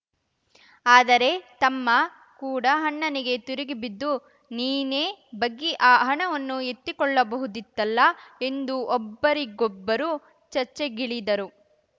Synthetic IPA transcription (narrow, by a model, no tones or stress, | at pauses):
aːd̪ɐɾe̞t̪ɐmːɐ | kuːɽɐɦɐɳːɐniɡe̞t̪uɾiɡibid̪ːu | niːne̞ːbɐɡːiʔaːɦɐɳɐʋɐnːuet̪ːikɔɭːɐbɐɦud̪it̪ːɐlːɐe̞nd̪uʔɔbːɐɾiɡɔbːɐɾu | t͡ʃɐɾt͡ʃːe̞ɡiɭid̪ɐɾu